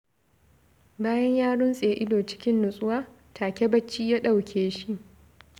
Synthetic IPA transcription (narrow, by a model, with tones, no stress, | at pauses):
baː˦jɐ˦ɲjaː˦ɽʊ˦nsʼeː˨ʔɪ˦doː˨t͡ʃɪ̥˦kʲɪ˦nːʊ˨sʼʊ˦waː˦ | tʰaː˨kʲe˦bɐ˦t͡ʃːiː˦jaː˦ɗa˦˨wkʲʰeː˦ʃi˦ʔ